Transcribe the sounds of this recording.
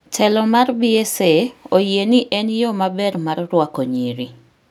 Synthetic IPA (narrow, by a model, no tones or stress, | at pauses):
tʰɛlɔmarbieseojeniʔɛnjɔmabɛɾmarrwakoɲiɾi